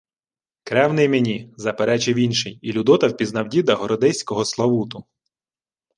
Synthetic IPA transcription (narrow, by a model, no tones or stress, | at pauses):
kɾɛwnɪjmenʲizɐpeɾɛt͡ʃɪwinʃɪjilʲud̪ɔt̪ɐwpʲiznɐwdʲid̪ɐɦɔɾɔd̪ɛsʲkɔɦɔslˠɐʋut̪ʊ